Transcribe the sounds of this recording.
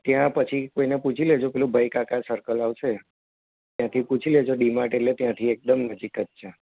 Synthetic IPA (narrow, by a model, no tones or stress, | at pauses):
t̪jãpət͡ʃʰikoineput͡ʃʰiled͡ʒopɛlũbʱəikakasəɾkəlaʋʃe | t̪jãt̪ʰiput͡ʃʰiled͡ʒoɖimãʈelet̪jãt̪ʰiek̚d̪əmnəd͡ʒikət̪ʃʰe